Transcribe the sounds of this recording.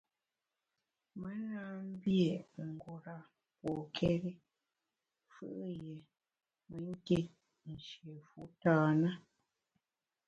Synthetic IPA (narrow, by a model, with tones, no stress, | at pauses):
mə˦naː˦m̩˦bje˨ŋ̩˨ɡo˨ɾa˨ | po˨kʰɛ˦ɾi˦ | fɨ̰˦ʔje˨ | mə˨˦ŋ̩˦ke˦˨t̚ | n̩˨ʃe˨fu˨˦taː˦nə˦